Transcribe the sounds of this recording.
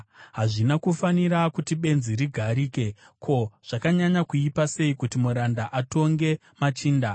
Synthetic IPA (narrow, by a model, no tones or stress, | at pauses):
ɦaʐinakufaniɾakutiɓe̞nziɾiɡʱaɾiːke | kʰo̞ʐ̥akaɲaɲakuipase̞ikutimuɾandaʔato̞ŋɡe̞ | mat͡ʃiːnda